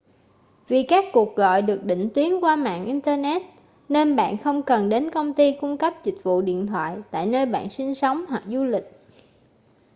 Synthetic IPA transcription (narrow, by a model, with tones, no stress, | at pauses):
vi˨˩kaː˦˥kːu˨˩ək̚ɣɔ̰˧˨jɗɨ˨˩ək̚ɗḭ̈˧˨ŋ̟t̪wi˨˦ənkwaː˧ma̰ː˧˨nʔi˧nt̪əː˧nɛ˦˥t̚ | ne˧nɓa̰ː˧˨nxə˧wŋ͡mkə˨˩nɗe˨˦nkə˧wŋ͡mt̪i˧kʊ˧ŋ͡mkə˦˥p̚zï˨˩k̟̚vṵ˧˨ɗḭ˧˨ənt̪ʰwa̰ː˧˨jt̪a̰ː˧˨jnəː˧jɓa̰ː˧˨nsi˧nsə˨˦wŋ͡mɦwa˨˩k̚zu˧lï˨˩k̟̚